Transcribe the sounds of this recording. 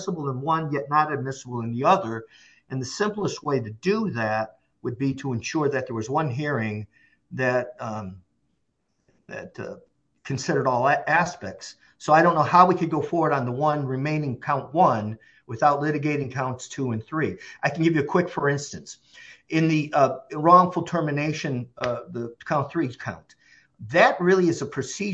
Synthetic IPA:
səbl̩ˠə̃nwʌ̃njɛtⁿnəɾɨd̚mɪsəbl̩ˠɨ̃nðiʌðə˞ | ʔɨ̃nðɨsɪ̃mplˠəst̚weɪɾɨdɨðɨt̚ | wəd̚biɾəɨ̃nʃʊɹðɨt̪̚ðə˞wʌzwʌ̃nɦiɹɪ̃ŋ | ðɨt̚ | ðɨ̰t̚ | kʰɨ̃n̩sɪɾə˞ɾɔlˠæspɛk̚ts | soʊaɪɾõʊ̃nːoʊhaʊwikɨd̚ɡoʊfɔɹwə˞ɾn̩ðəwʌ̃nɹɨmẽɪ̃nɪ̃ŋkʰãʊ̃nʔwʌ̃n | wɨθaʊtˡlɪɾɨɡeɪɾɪ̃ŋkʰãʊ̃ntstʰuɨ̃nθɹiʔaɪkn̩ɡɪvjɨɨkʰw̥ɪkfə˞ɪ̃nstɨ̃ns | ɨ̃nðiɹɔ̃ŋfl̩ˠtʰɜ˞mɨneɪʃɨ̃nðəkʰãʊ̃nθɹikʰãʊ̃n | ðɨt̚ɹɪlˠiɨzəpʰɹ̥ɨsi

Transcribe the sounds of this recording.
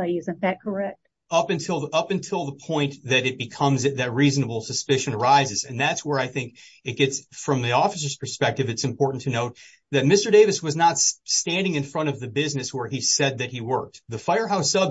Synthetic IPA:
ɪzɨ̃nðɨt̚kʰə˞ɛk̚t̚ | ʌpɨ̃ntʰɪlˠʌpɨ̃ntʰɪlˠðəpʰɔ̃ɪ̃nðɨɾɨt̚b̥ɨkʰʌ̃mzɨðɨt̚ɹiznəbl̩ˠsɨspɪʃɨ̃nə˞aɪzɨzɨ̃nðætswə˞aɪθɪ̃ŋk | ɨt̚ɡ̥ɛtsfɹʌ̃mðiɔfəs̬ə˞z̥pʰə˞spɛk̚tɨvɨtsɨ̃m̩pʰɔɹʔn̩tʰɨnoʊt̪̚ | ðɨt̚mɪstə˞deɪvɨswʌznətsstæ̃ndɪ̃ŋɨ̃nfɹʌ̃ɾ̃ʌvðɨbɪznɨswə˞isɛd̪̚ðɨt̚hiwɜ˞k̚t̪̚ðɨfaɪə˞ɦaʊsʌb

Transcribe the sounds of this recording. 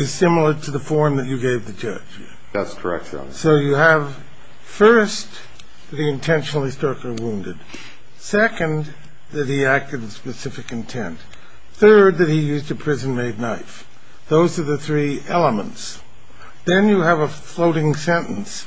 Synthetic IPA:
ɨz̥sɪ̃ml̩ˠə˞ɾɨðəfɔɹmðɨt͡ʃɨɡeɪvðɨd͡ʒʌ̰d̥ʒ̥ | ðæ̰tskʰə̰˞ɛ̰k̚tsoʊjɨəv̥ | fɜ˞s | ðɨt̚hiɨ̃ntʰɛ̃nʃnl̩ˠistɹ̥ʌkə˞wũndɨd̥ | sɛkɨ̃n | ðɨt̚hiæk̚tɨd̚ɨspɨsɪfɨkɨ̃ntʰɛ̰̃nt | θɜ˞d̪̚ðɨt̚hijʉztɨpʰɹ̥ɪzɨ̃nmeɪdⁿnaɪf | ðoʊzə˞ðɨθɹiʔɛlˠəmə̰̃nts | ðɨ̃njɨːvəfloʊɾɪ̃ŋsɛ̃nʔn̩s

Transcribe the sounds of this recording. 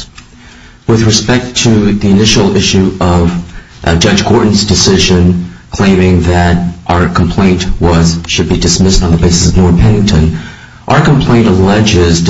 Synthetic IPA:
wɪðɹɨspɛk̚tʰɨðiɨnɪʃl̩ˠɪʃʉʔʌv̥ | d͡ʒʌd͡ʒkʰɔɹʔn̩zdɨsɪʒɨ̃nkʰl̥ẽɪ̃mɪ̃ŋðɨɾʔaʊə˞kʰm̩pʰl̥ẽɪ̃nʔwʌz̥ʃɨd̚bidɨsmɪstn̩ðəbeɪsɨ̥sʌvnɔɹθpʰɛnɪ̃ŋtʰɨ̃n | ʔaʊə˞km̩pʰl̥ẽɪ̃ntəlɛd͡ʒɪz

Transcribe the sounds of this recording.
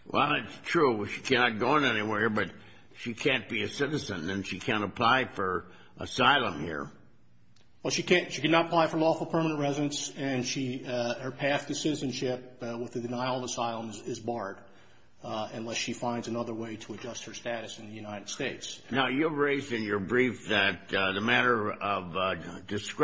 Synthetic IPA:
wʔɛ̰lˠɨtstʰɹ̥uʃikʰænɑt̚ɡ̥oʊə̃nɛniwɛɹbʌt̚ | ʃikʰæ̃nb̥iɨsɪɾɨzɨ̃nɨ̃nʃikʰæ̃ñəpʰl̥aɪfə˞ | ʔə̰saɪlˠə̃mhḭɹ | wɛlˠʃikʰæ̃nʃikɨnətəpʰl̥aɪfə˞lɔfl̩ˠpʰɜ˞mənə̃nʔɹɛzɨɾɨ̃nsɨ̃nʃiə˞pʰæθdɨsɪɾɨzɨ̃nʃɪp̚wəðɨdɨnaɪl̩ˠvəsaɪlˠə̃mzɪzbɑɹɾ | ɨ̃nlɛsʃifãɪ̃ndzɨnʌðə˞weɪɾəːd͡ʒʌst̚hə˞stæɾɨsn̩ðɨjʉnaɪɾɨd̥steɪtsnaʊjɨɹeɪzɨ̃njə˞bɹifðɨt̚ðəmæɾə˞ʌvdɨsk

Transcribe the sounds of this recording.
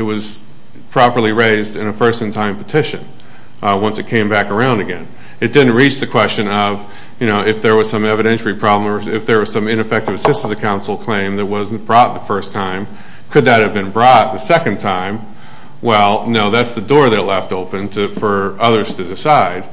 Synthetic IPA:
ɨt̚wʌz̥ | pʰɹ̥ɑpə˞lˠiɹeɪzdɨ̃nɨfɜ˞stɨ̃ntʰãɪ̃mpʰɨtʰɪʃɨ̰̃n | wʌ̃nsɨt̚kʰẽɪ̃mbækə˞ãʊ̃ndɨɡɛ̃n | ɨt̚d̥ɪdⁿn̩ʔ̚ɹit͡ʃðɨkʰw̥ɛst͡ʃɨ̃nʌv | jɨñoʊɪfðə˞wʌz̥sʌ̃mɛvɨɾɛ̃nʃl̩ˠipʰɹ̥ɑbləmə˞ɪfðə˞wʌz̥sʌ̃mɪ̃nɨfɛk̚tɨvɨsɪstn̩sɨ̥kʰãʊ̃nsl̩ˠkʰl̥ẽɪ̃mðɨt̚wʌzn̩b̥ɹɔt̪̚ðəfɜ˞stʰãɪ̃m | kʰɨd̪̚ðɨt̚hɨvbɨ̃nbɹɔt̪̚ðɨsɛkɨ̃n̩tʰãɪ̃m | wɛlˠnoʊðætsðɨdɔɹðətˡlɛftoʊpɨ̃ntʰɨfə˞ʌðə˞z̥tʰɨdɨsaɪd̥

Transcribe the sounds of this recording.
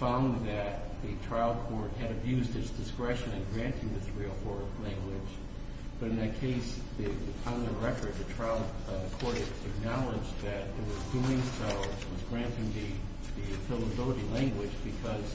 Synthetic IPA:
fãʊ̃nðɨt̪̚ðɨtʰɹ̥aɪlˠd̚kʰɔɹt̚ɦɨɾɨbjʉzdɨtsd̥ɨskɹɛʃɨ̃nɨ̃nɡɹæ̃ntʰɪ̃ŋðɪsɹil̩ˠhɔɹklæ̃ŋɡwɪd͡ʒ | b̥ʌɾɨ̃nðɨt̚kʰeɪs | ðɨpʰãnəɹɛfɨ̃˞zðɨtʰɹ̥aɪlˠdkʰɔɹɾɨ | ɨɡ̚nɑlˠɪd͡ʒðɨt̪̚ðɨwʌzduɪ̃ŋsoʊ | wʌzɡɹæ̃ntɪ̃ŋðɨ | ðifɪlˠəbɪlˠəɾilæ̃ŋɡwɨd͡ʒbɨkʰʌz̥

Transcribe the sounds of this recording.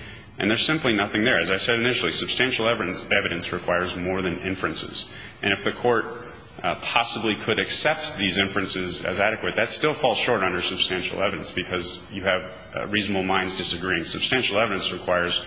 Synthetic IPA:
ʔɨ̰̃nðə˞z̥sɪ̃mplinʌθɪ̃ŋðə˞ɨzaɪsɛɾɨnɪʃl̩ˠisɨb̥stæ̃nʃl̩ˠɛɛvɨɾɨ̃nsɹɨkʰw̥aɪə˞zmɔɹðɨ̃nɪ̰̃ɱfɹɨ̃nsɪ̰z̥ | ʔɨ̃ñɨfðɨkʰɔɹt̚ | pʰɑsəblikʰɨɾɨksɛp̚t̪̚ðizɪ̃ɱfɹɨ̃nsɪzɨ̰zæɾɨkwɨt̪̚ðɨtstɪlˠfɔlˠz̥ʃɔɹɾʌ̃ndə˞sɨb̥stæ̃nʃl̩ˠɛvɨɾɨ̃nsb̥ɨkʰʌzjɨɨv | ɹizn̩əbl̩ˠmãɪ̃ndzdɨsɨɡɹiɪ̃ŋsɨb̥stæ̃nʃl̩ˠɛvɨɾɨ̃nsɹɨkʰw̥aɪə˞z̥

